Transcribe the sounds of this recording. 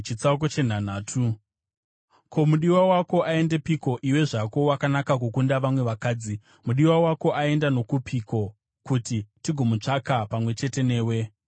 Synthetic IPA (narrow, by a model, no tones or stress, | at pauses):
t͡ʃit͡sak̬ot͡ʃe̞n̤an̤aːtʰu | kʰo̞muɗiwawako̞ʔae̞nde̞piko̞ʔiwe̞ʐako̞wakanakak̬ukundaʋamwe̞ʋakaːd͡zi | muɗiwawako̞ʔae̞ndano̞kupʰiko̞ | kutitiɡʱo̞mut͡ʂakapamwe̞t͡ʃe̞te̞ne̞ːwe̞